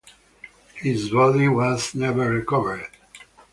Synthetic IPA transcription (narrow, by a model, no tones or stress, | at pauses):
hɪzwɛlĩŋwʌznɛvə˞ɹikʌvə˞d̥